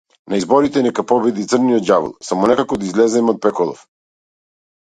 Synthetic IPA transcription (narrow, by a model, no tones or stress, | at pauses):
naizbɔɾit̪ɛnɛkapɔbɛd̪it̪sərnijɔt̪javṵlˠsamɔnɛkakɔd̪aizlɛzɛmɔt̪̚pɛkɔlˠɔ̰f